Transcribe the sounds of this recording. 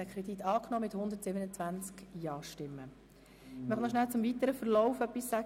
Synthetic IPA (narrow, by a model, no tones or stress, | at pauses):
ɛkʰɾɛd̥it̪ːɑːknɔːmɪt̪hʊndətsɪbənət͡svænt͡skjɑːʃtɪmːə | mœχnɔʃnælt͡sʊmvit̪əɾəfəɾlɔʊfœpːisːæ